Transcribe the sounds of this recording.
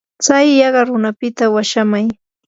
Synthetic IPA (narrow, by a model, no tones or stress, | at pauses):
t͡sajːɑɢɑɾʊnapɪt̪awaʃamaj